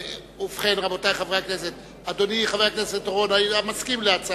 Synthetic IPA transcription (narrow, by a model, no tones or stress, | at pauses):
ufχenʁabot̪ajχaveakneset̪ | ad̪oniχaveakneset̪oʁonaamaskimleat͡s